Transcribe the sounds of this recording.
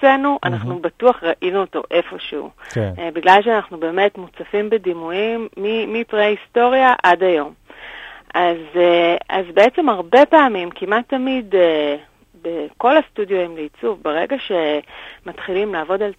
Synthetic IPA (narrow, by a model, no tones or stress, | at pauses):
enuʔa̰naχnubatuaχʁaʔinuoto̞̰ʔe̞fo̞ʃeṵkbiɡlalʃeanaχnube̞ːme̞tmut͡safimbedimujimːiːipʁeaisto̞ʁjaʔadajo̞m | ʔazea̰zbeet͡se̞maʁbe̞peamimkimatːamide | beko̞lastudjoimleit͡suvbeʁe̞̰ɡaʃe̞matχilimlaːvo̞dal